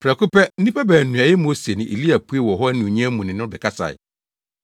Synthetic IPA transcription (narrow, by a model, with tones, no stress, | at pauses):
pʰɾɛæ˨kʰʊ˦pɛ˦n̩˦nĩ˦pʰa˦bæː˨nũ˨a˨jɛ˦mo˦se˨nɪ̃˨ʔi˨li˦æ˨pʰu˦e˦wɔ˨ɦɔ˦nɪ̃˨ɲĩ˦ɛ˦mũ˨nɪ̃˨nʊ̃˦dɪ˨kʰa˦sa̰˨ɪ̰˨